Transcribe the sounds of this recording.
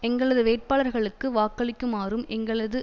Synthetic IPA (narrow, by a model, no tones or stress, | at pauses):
ɛŋɡɐɭɐðɯʋeːʈ̚paːɭɐɾɣɐɭɯkːɯʋaːkːɐɭɪkːɯmaːɾɯmɛŋɡɐɭɐðɯ